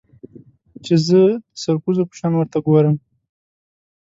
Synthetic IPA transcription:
t͡ʃezəd̪əsaɾkuzopə̥ʃɑnwəɾt̪aɡoɾəm

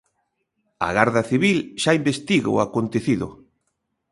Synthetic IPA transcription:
a̰ɣaɾðɐθiβilʃaimbest̪iɣ̰ʊakont̪eθiðʊ̰

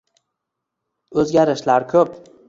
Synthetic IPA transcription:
ɵzɡʲaɾɪʃlaɾkʲʰɵp

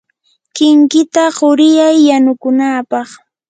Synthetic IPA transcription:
kɪŋkɪt̪aɢʊɾɪjajːanʊkʊnaːpɑχ

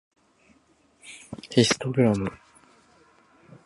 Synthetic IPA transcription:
hisɨ̥t̪oɡɯɾamɯ

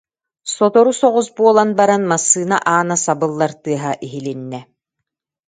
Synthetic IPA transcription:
sɔt̪ɔɾusɔʁusbuɔlˠanbaɾanmasːɯːnaʔaːnasabɯlˠːaɾt̪ɯɐɦaʔiɦilinːɛ

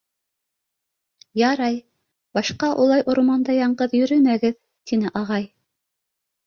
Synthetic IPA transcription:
jɑɾɑj | bɑʃqɑʔulˠɑjʔŏɾmɑnd̪ɑjɑɴɢɤðjɵ̆ɾɵmæɡɘð | t̪inɘʔɑʁɑj

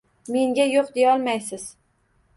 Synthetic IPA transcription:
me̞ŋɡʲajoqd̪ejɒlˠmajsɪz̥

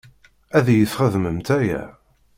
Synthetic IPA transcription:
æðjəθχəðməmt̪æjæ̰

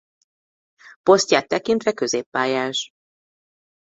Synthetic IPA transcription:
po̞st̪jaːt̪ːɛkint̪vɛkø̞zeːpːaːjaːʃ

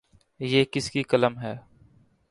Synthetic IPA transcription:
jeːkɪskikɐləmɦɛː

